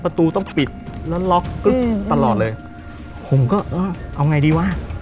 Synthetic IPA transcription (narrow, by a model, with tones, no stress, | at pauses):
pa˧t̪uː˧t̪ɔ˥˩ŋpi˨˩t̪̚lɛː˦˥wlɔ˦˥k̚ːɯ˦˥k̪̚a˧lɔː˨˩t̪̚lɤː˧j | pʰo˨˧˩mkɔː˥˩ʔɤː˧˩ʔa˧wŋa˧jdiː˧waː˧˥˩